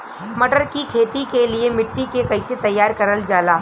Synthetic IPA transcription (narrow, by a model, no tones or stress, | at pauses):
mɐʈəɾkikʰeːt̪ikeliemɪʈːikekɐɪset̪ɐjːaːɾkɐɾəld͡ʒaːlaː